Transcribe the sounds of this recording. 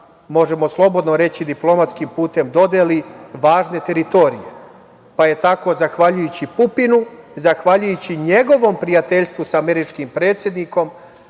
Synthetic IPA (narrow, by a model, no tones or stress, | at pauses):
mo̞ʒe̞moslˠo̞bo̞d̪noɾe̞t͡ɕid̪iplˠo̞mat̪skimpuːt̪e̞md̪o̞d̪eliʋaːʒne̞t̪e̞ɾit̪o̞ɾḭje̞̰ | paje̞t̪ako̞zaxʋaʎujut͡ɕipupinuzaxʋaʎujut͡ɕiɲe̞ɡo̞ʋo̞mpɾijat̪e̞ʎst̪ʋusaːme̞ɾit͡ʃkimpɾe̞ːt̪sje̞d̪niko̞m